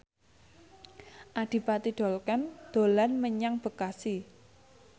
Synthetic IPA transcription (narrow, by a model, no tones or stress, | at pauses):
ʔaɖ̥i̤pat̪iɖ̥ɔ̤lkand̪̥o̤lanməɲaŋb̥ə̤kasi